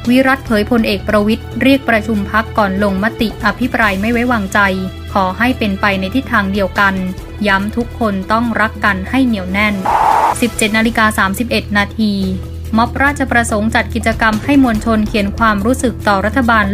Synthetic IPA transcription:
wi˦˥ɾa˦˥t̪̚pʰɤː˩˦jpʰo˧nʔeː˨˩k̚pɾa˧wi˦˥t̪̚ɾi˥˩ək̚pɾa˧t͡ɕʰu˧mpʰa˦˥kːɔː˨˩nlo˧ŋma˦˥t̪i˨˩ʔa˧pʰi˦˥pɾaː˧jma˥˩jwa˦˥jwaː˧ŋt͡ɕa˧j | kʰɔː˩˦ɦa˥˩jpe˧npa˧jna˧jt̪ʰi˦˥t̪ʰːaː˧ŋdi˧əwka˧n | ja˦˥mt̪ʰu˦˥kʰːo˧nt̪ɔ˥˩ŋɾa˦˥kːa˧nha˥˩jni˨˩˦əwnɛ˥˩nsi˨˩p̚t͡ɕe˨˩t̪̚naː˧li˧kaː˧saː˩˦msi˨˩p̚ʔe˨˩t̪̚naː˧t̪ʰiː˧ | mɔ˦˥p̚ɾaː˥˩t̪̚t͡ɕʰa˧pɾa˧so˩˦ŋt͡ɕa˨˩t̪̚ki˨˩t̪̚t͡ɕa˧ka˧mha˥˩jmo˧nt͡ɕʰo˧nkʰi˨˩˦ənkʰwaː˧mɾuː˦˥sɯ˨˩k̚t̪ɔː˨˩ɾa˦˥t̪ʰːa˧baː˧n

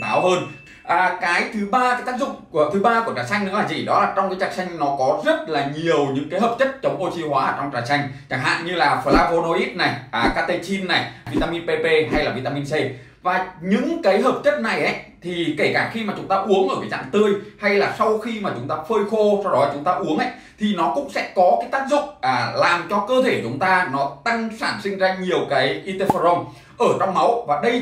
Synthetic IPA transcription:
t̪aː˨˦wɦəː˧n | ʔəː˨˩kaː˨˦jt̪ʰɨ˨˦ɓaː˧kaː˨˦jt̪aː˦˥k̚zʊ̰˨ŋ͡mt̪ʰɨ˨˦ɓaː˧ku˧˩ət͡ɕaː˨˩t͡ɕa˧jŋ̟ɗɨ˨˦laː˨˩zḭ˧˩ɗɔ˨˦laː˨˩t͡ɕɔ˧wŋ͡mkaː˨˦jt͡ɕaː˧˩t͡ɕa˧jŋ̟nɔ˨˦kɔ˨˦zə˦˥t̚laː˨˩ɲi˨˩əwɲɨ̰˧˥ŋkaː˨˦jɦəː˨˩p̚t͡ɕə˦˥t̚t͡ɕə˨˦wŋ͡mʔo˧t͡ɕi˧hwaː˨˦˧t͡ɕɔ˧ŋ͡mt͡ɕaː˨˩t͡ɕa˧jŋ̟t͡ɕaː˧˩ŋɦa̰ː˧˨nɲɨ˧laː˨˩fəː˨˧˩laː˧vo˧no˧ʔi˦˥t̚na˨˩jʔːkaː˦˧t̪e˧t͡ɕi˧nːa˨˩jvi˧t̪aː˧mi˧npe˧pe˧ɦa˧jlaː˨˩vi˧t̪aː˧mi˧nse˧ | vaː˨˩ɲɨ̰˧˥ŋkaː˨˦jɦəː˨˩p̚t͡ɕə˦˥t̚na˨˩jʔa̰˨˦jt̪ʰi˨˩ke˧˩kaː˧˩xi˧maː˨˩t͡ɕʊ˨˦ŋ͡mt̪aː˧ʔu˨˦əŋʔəː˧˩vḭ˨˦t͡ɕa̰ː˧˨mt̪ɨ˧əjha˧jlaː˨˩sa˧wxi˧maː˨˩t͡ɕʊ˨˦ŋ͡mt̪aː˧fəː˧jxo˧sa˧wɗɔ˨˦t͡ɕʊ˨˦ŋ͡mt̪aː˧ʔu˨˦əŋʔə̰˧˥j | t̪ʰi˨˩nɔ˨˦kʊ̰˧˥ŋ͡msɛ̰˧˥kɔ˨˦kaː˨˦jt̪aː˦˥k̚zʊ̰˧˨ŋ͡mlaː˨˩mt͡ɕɔ˧kəː˧t̪ʰe˧˩t͡ɕʊ˨˦ŋ͡mt̪aː˧nɔ˨˦t̪a˧ŋsaː˧˩nsï˧ŋ̟zaː˧ɲi˨˩əwkaː˨˦jʔi˧t̪e˧fa˧zə˧wŋ͡m | ʔəː˧˩t͡ɕɔ˧wŋ͡mma˨˦wvaː˨˩ɗə˧j

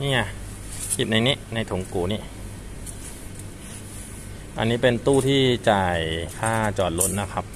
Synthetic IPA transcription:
niː˥˩a˨˩ | si˨˩na˧jniː˦˥ʔna˧jt̪ʰu˩˦ŋkuː˨˩ni˦˥ | ʔa̰˧nːiː˦˥pe˧nt̪uː˥˩t̪ʰiː˥˩t͡ɕaː˨˩jkʰaː˥˩t͡ɕɔː˨˩t̪̚lo˦˥n̚na˦˥kʰa˦˥p̚

